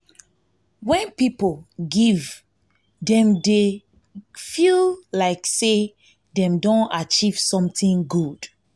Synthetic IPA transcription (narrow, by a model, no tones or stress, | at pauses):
wɛ̃npipolɡiv | dɛ̃mde | fillaɪkse | dɛ̃mdõnat͡ʃiv̥sɔ̃mtĩŋɡud̥